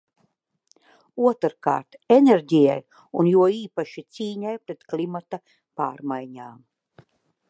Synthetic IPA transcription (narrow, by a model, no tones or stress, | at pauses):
uɔt̪ɾka̰ːɾt̪enʲeɾʲɟija̰j | unjuɔiːpaʃit̪siːɲajpɾet̪klʲimat̪a | paːɾmajɲaːm